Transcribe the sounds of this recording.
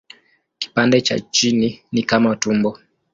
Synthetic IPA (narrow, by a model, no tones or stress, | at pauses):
ki̥pandɛt͡ʃa̰t͡ʃininikamautumbɔ